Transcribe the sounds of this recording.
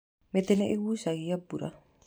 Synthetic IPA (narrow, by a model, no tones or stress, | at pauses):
met̪eneʔewusaɡiabuɾa̰